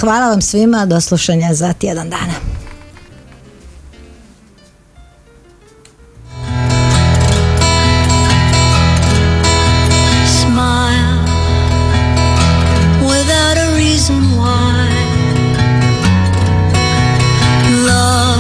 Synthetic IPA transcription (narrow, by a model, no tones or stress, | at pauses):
xʋaːlˠaʋamsʋimad̪oslˠuʃaɲazat̪jeɛd̪and̪a̰ːna | smaɪlˠ | wɪðaʊɾəɹizə̃nwa | ɪ | lʌ